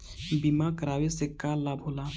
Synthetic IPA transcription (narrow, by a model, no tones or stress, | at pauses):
bimakəɾaːʋesekːalabʱɦoːla